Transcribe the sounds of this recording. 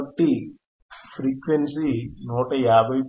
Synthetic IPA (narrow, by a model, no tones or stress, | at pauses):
ʈːi | pʰɾiːkʋensinuːʈɐjaːbʱɐj